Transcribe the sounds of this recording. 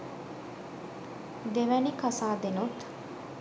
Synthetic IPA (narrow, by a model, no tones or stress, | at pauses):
d̪eʋænikasaːd̪enut̪